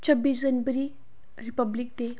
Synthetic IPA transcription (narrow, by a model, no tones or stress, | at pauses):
t͡ɕʰəbiːsd͡zənbəɾi | ɾipəblik̚t̪e